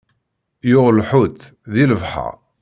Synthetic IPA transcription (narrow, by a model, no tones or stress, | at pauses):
jʊʁlħʊt̪ | ðiləvħa̰